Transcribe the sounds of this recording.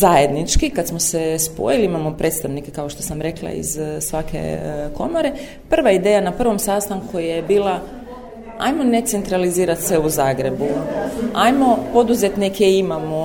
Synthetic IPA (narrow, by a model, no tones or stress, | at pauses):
zaje̞d̪nit͡ʃkikad̪smosespo̰jiliimamo̞pɾʔe̞t̪st̪aʋnikekaoʃt̪o̞samɾe̞klˠa̰ḭzsʋake̞̰ko̞mo̞ɾe̞ | pr̩ʋaid̪eːjanapr̩ʋo̞msaːst̪aŋkujjebiːlˠa | a̰jmone̞t̪se̞nt̪ɾaliziːɾat̪sʋeuzaːɡɾe̞buajmo̞po̞d̪uze̞t̪nikʰeimamo